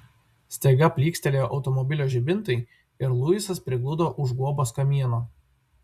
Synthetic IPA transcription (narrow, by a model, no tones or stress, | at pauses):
sʲt̪ʲɛɪɡɐpʲlʲiːksʲt̪ʲɛlʲeːjoːʔɒʊt̪ɔmɔbʲɪlʲoːʒʲɪbʲɪnt̪ɐɪ | ɪɾlˠʊjɪsɐspʲɾʲɪɡlˠʊd̪oːʔʊʒɡuɔboskɐmʲiɛnoː